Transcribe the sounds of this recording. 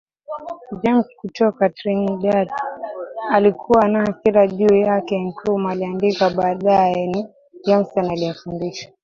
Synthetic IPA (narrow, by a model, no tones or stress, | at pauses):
d͡ʒɛmskutɔkatɾiŋɗad | alikʰuwanaakilaʄiujakɛŋkʰumaliandikaɓaːɗajɛni | d͡ʒɛm̩sanaaliafundiʃḁ